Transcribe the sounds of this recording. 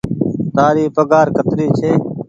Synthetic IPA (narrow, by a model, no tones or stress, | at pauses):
t̪aːɾiːpəɡaːɾkət̪ɾiːt͡ʃʰeː